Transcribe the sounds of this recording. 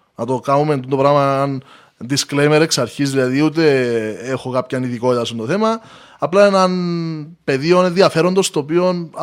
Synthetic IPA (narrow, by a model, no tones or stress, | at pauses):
nɐt̪okɐnumend̪und̪o̞pɾɐɣmɐɐn | d̪isklejmeɾe̞ksɐɾçizðilɐðiut̪̬e̞exo̞kɐpçɐniðiko̞t̪it̪ɐsunt̪oθe̞mɐː | plɐenɐnpe̞ðionenðiɐfe̞ɾo̞nd̪o̞st̪oːpio̞n